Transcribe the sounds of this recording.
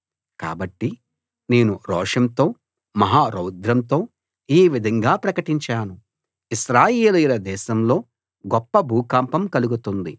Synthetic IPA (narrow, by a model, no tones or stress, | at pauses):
ka̰ːbɐʈːi | ne̞ːnuɾɔːʂɐmt̪o̞ː | mɐɦaːɾɐwd̪ʱɾɐmt̪o̞ː | iːʋid̪ʱɐŋɡaːpɾɐkɐʈiɲt͡ʃaːnu | iʃɾaːjeːlujiɾɐd̪ɛːʃɐmlo̞ː | ɡɔpːɐbʱuːkaːmpɐmkɐluɡut̪und̪i